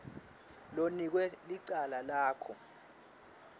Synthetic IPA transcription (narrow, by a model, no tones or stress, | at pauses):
lonik̬wɛliǀalalaːkʰɔ